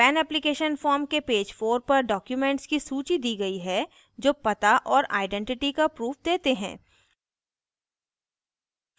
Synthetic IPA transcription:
pɛːnɛplikeːʃənfɔːɾmkepeːd͡ʒfoːɾpɐɾɖɔːkjumɛ̃ɳʈskisuːt͡ʃid̪iːɡɐiɦɛ | d͡ʒoːpɐt̪aʔɔːɾa̰ːɪɖɛ̃ɳʈɪʈikapɾuːfd̪eːt̪eɦɛ̰̃ː

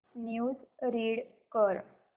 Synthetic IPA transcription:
njud͡zɾiɽkəɾ

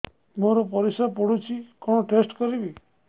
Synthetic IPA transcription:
moɾɔpɔɾisapɔɽut͡ʃʰikɔɽ̃ɔʈesʈkɔɾibi

